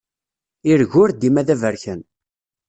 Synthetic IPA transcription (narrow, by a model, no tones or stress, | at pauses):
iɾʝʊɾd̪imæðævəɾçən